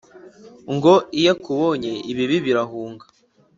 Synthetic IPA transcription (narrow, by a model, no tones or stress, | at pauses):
ŋɡoijekuβoɲeiβiβiβiɾaɦuːŋɡḁ